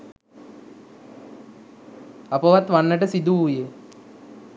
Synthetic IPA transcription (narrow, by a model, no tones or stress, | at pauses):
apəʋat̪ʋanːəʈəsid̪uuje